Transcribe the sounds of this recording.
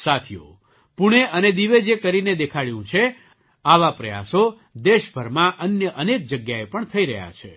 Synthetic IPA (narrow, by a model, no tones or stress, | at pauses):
sat̪ʰijo̰ | puɽ̃eʔəned̪iʋed͡ʒekəɾined̪ekʰaɭjũt͡ʃʰe | aʋapɾəja̰so | d̪eʃbʱəɾmãʔənjəʔənek̚d͡ʒəɡjaepəɳt̪ʰəiɾə̰ɦja̰t͡ʃʰe